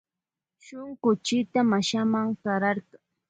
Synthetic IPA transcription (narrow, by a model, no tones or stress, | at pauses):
ʃʊŋɢʊt͡ʃɪt̪amaʃamaŋkɑɾɑɾɢɑŋ